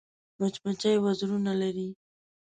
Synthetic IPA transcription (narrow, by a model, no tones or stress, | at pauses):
mat͡ʃmat͡ʃajwazɾunalaɾi